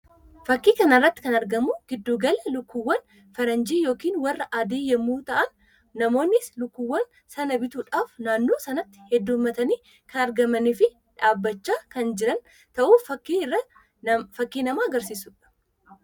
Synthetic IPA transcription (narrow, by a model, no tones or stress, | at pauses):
fɐkːiːkɐnɐrːɐt̪ːɪ̥kɐnɐɾɡɐmʊɡ̥ɪd̪ːuːɡɐlɐlʊkːuwːɐn | fɐɾɐnd͡ʒiːjo̞ːkiːnwɐrːɐʔaːd̪eːjɛmuːt̪ɐʔɐnː | ɐmo̞ːnːɪslʊkːuwːɐn | sɐnɐbɪt̪uːᶑaːfnaːnːoːsɐnɐt̪ːɪ̥hɛd̪ːuːmɐt̪ɐniː | kʰɐnɐɾɡɐmɐniːfɪ | ᶑaːbːɐt͡ʃːaːkɐnd͡ʒɪɾɐn | t̪ɐʔuːfɐkːiːɪrːɐ | fɐkːiːnɐmaːɐɡɐɾsiːsʊᶑɐ̥